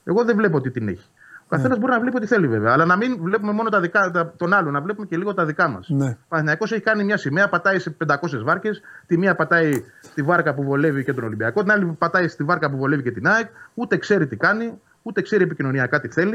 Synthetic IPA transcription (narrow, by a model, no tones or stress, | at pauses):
e̞ɣo̞ðevle̞p̬oot̪it̪ine̞̰çi̥ | okɐθe̞nɐzbo̞ɾinɐvle̞piot̪iθe̞live̞ve̞ɐːlɐnɐminvle̞pume̞mo̞not̪ɐðikɐt̪ɐt̪o̞nɐlo̞nɐvle̞pumece̞liɣo̞t̪ɐðikɐmɐ̰snpɐθiniɐko̞s̬eçikɐnimɲɐsimeɐpɐt̪ɐise̞pe̞nd̪ɐko̞s̬e̞zvɐɾce̞st̪imiɐpɐt̪ɐist̪ivɐɾkɐpuvo̞le̞vicet̪o̞no̞limbiɐko̞t̪inɐlipɐt̪ɐist̪ivɐɾkɐpuvo̞le̞vicet̪inɐikut̪e̞kse̞ɾit̪ikɐni | ut̪e̞kse̞ɾiep̬icino̞niɐkɐt̪iθe̞li